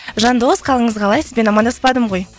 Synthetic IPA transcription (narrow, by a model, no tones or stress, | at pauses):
ʒɑnd̪o̞sqʰɑlˠəɴəzʁɑlˠɑjsəzbʲenɑmɑnd̪ɑspɑd̪əmʁo̞j